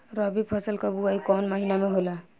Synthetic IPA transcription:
ɾɔbipʰʌsəlkabuaikɔnmaɦinameɦola

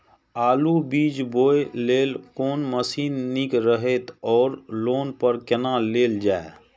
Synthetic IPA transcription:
aːlubiːd͡ʒboːeleːlkoːnməsiːnːikɾəɦet̪ɔːɾloːnpəɾkənaːleːld͡ʒaːe

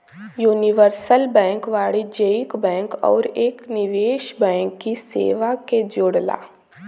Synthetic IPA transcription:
juːniʋəɾsəlbɛ̃ːŋkʋaːɭid͡ʒeɪkbɛ̃ːŋkɔ̰ːɾeːknɪʋeːʃbɛ̃ːŋkːisḛːʋaked͡ʒoːɽla̰ː

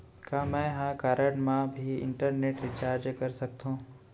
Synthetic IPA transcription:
kaːmɛ̃ːɦãːkaːɾəɽɳmãbʱiɪ̰̃ɳʈəɾneːʈɾɪt͡ʃaːɾd͡ʒkɐɾsɐk̚t̪ɦũː

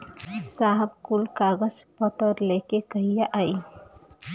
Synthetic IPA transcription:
saɦb̚kulkaɡəd͡ʒpət̪əɾlekekəɦijaʔaj

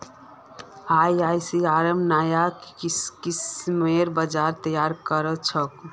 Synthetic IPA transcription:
ajajsiaɾəmnajakkismeɾbəd͡ʒaɾt̪əjaɾkəɾət͡ʃʰək

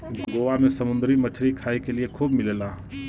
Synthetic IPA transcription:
ɡoʋamẽsəmʊ̃nd̪ɾimət͡ʃʰɾikʰaːikeliekʰuːbmɪlela

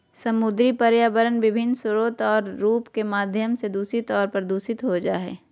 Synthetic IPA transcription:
sɐmʊd̪ɾipɐɾjaːbəɾənʋɪbʱɪnːsʊɾoːt̪ɔːɾːuːpkemaːd̪ʱjəmsed̪uːsɾit̪ɔːɾpəɾd̪uːsɪt̪ɦod͡ʒaːɦɛ̰ː

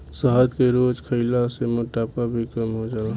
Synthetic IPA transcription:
səɦəd̪keɾoːd͡ʒkʰəɪlasemoʈaːpabʱikəmɦod͡ʒaːa

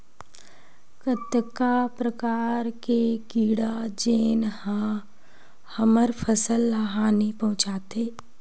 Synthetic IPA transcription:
kət̪əkːapɾəkaːɾkekiːɽad͡ʒeːnhã | həməɾpʰəsəlːaɦaːnipɐɦʊ̃t͡ʃaːt̪eː

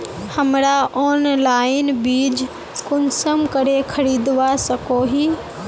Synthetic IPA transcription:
həmɾaʔɔːnlaːɪnbiːd͡ʒ | kʊnsəmkəɾekʰəɾiːd̪ʋasəkoɦiː

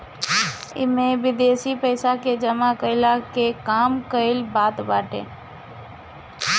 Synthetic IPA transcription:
ɪ̰mẽʋɪd̪eːʃipəɪsaked͡ʒəmakəɪlakekaːmkəɪlbaːt̪baːʈḛ̃ː

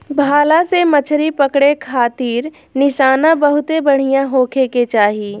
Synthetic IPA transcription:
bʱaːlasemɐt͡ʃʰɾipɐkɽekʰaːt̪iːɾ | nɪʃaːnãbɐɦʊt̪ebɐɽ̤ijãɦoːkʰeket͡ʃaːɦiː

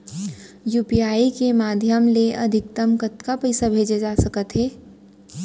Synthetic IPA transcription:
juːpiaːikemaːd̪ʱjəmleʔɐ̰d̪ʱɪk̚t̪əmkət̪kapɐɪsabʱeːd͡ʒad͡ʒaːsɐkət̪ɦɛː

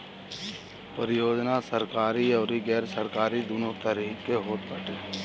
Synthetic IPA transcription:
pəɾɪjoːd͡ʒnasəɾkaːɾiɔːɾiɡɛːɾsəɾkaːɾid̪unot̪əɾikːeɦoːt̪bʱəʈeː

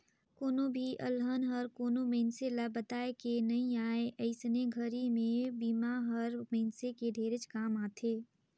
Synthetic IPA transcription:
koːnõbʱiʔə̰lɦənɦəɾkoːnomẽɪnselabət̪aːekenɐɦĩaːeʔəɪsneɡʱəɾimẽbiːmaɦəɾmẽːnsekeɖʱeːɾɪt͡ʃkaːmaːt̪ʰeː

